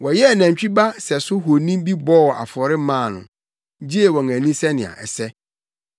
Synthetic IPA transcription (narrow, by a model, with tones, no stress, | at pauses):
wɔ˨jɛ˦˨næ̃˨ɲ˨t͡ɕᶣi˦ba˦sɛ˨sʊ˦ɦo˨nĩ˦mbi˦bɔ˦˨wʔa̰˨fɔ˨ɾɪ˦mãː˦˨nʊ̰̃˨˦ | d͡ʑi˦e˨wɔ̃˨ŋæ̃˨nĩ˦sɛ˦nɪ̃˨a̰˨ʔɛ̰˨sɛ˦